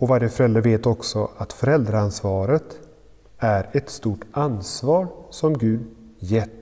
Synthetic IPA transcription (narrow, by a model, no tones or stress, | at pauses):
ɔvaɾjəfœɾɛld̪əɾveːt̪ɔksɔʔat̪fœɾɛld̪ɾaansvɑːɾət̪ | æɾɛt̪st̪uːʈansvɑːɾsɔmɡʉ̟ːd̪ | jɛt̪ː